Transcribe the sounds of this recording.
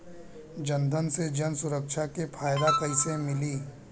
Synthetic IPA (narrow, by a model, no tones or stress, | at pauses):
d͡ʒə̃nd̪ʱənsed͡ʒənsʊɾəkʃakepʰaːjd̪akəɪsemɪliː